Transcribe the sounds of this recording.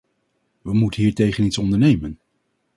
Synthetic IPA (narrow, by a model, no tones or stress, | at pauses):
ʋəmutənɦiːɹtejχənitsɔndəɹnejmən